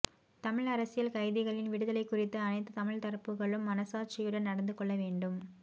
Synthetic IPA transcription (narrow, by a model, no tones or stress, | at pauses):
t̪ɐmɪɻɐɾɐsɪjɐlkɐɪðɪɣɐɭɪnʋɪɽɯðɐlɐɪkːʊrɪt̪ːɯɐnɐɪt̪ːɯt̪ɐmɪɻt̪ɐɾɐpːɯɣɐɭɯmːɐnɐsaːɾ̚t͡ʃɪjɯɽɐnnɐɽɐnd̪ɯkɔɭːɐʋeːɳɖɯm